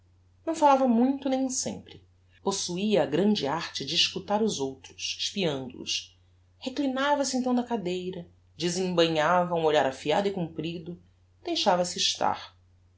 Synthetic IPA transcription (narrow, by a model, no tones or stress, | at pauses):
nɐ̃w̃falavɐmũj̃t̪ʊnẽj̃sḛ̃mpɾɪ | posuiɐːɡɾɐ̃nd͡ʒɪaɾt͡ʃɪd͡ʒɪːʃkut̪aɾʊzowt̪ɾʊʃɪʃpiɐ̃nd̪ʊ̰ʊ̰s | heklinavɐsɪẽnt̪ɐ̃w̃nɐkad̪ejɾɐ | d͡ʒɪzẽŋbɐ̃ɲavɐũoʎaɾafiad̪ʊɪkũmpɾid̪ʊ | d̪̥ejʃavɐsɪiːʃt̪a̰ɾ